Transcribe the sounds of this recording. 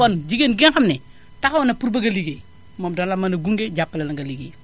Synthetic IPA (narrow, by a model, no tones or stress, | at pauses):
ɔnd͡ʒiɡenɡinxɐmnɛ | taxwnɐpuɾbɐɡɐliɡe | moːmdɔnlɐmɐnɐɡuŋɡeɟapːɐlɐlɐŋɡɐliɡḛː